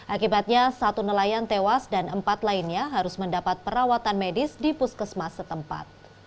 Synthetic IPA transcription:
ʔakibat̪̚ɲasat̪unəlajant̪ewasdanəmpat̪lainɲaɦaɾʊsməndapat̪̚pəɾawat̪anmedɪsdipuskəsmasət̪əmpa̰t̪̚

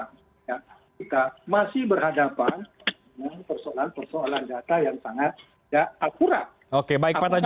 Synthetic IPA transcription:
jakit̪amasɪhbərɦhadapan | əŋanpərsoalanpərsoaland͡ʒat̪ajaŋsaŋat̪̚ | jaakuɾa | okebaɪkpat̪a

